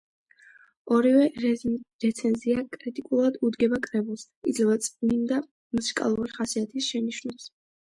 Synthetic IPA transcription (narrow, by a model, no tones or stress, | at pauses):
ɔɾivɛɾɾɛt̪sʰɛnziakʼɾit̪ʼikʼulˠad̪ud̪ɡɛbakʼɾɛbulˠs | id̪zlɛbat̪sʼnind̪a | musikʼa̰lˠuɾiχasiat̪ʰisʃɛniʃnɛps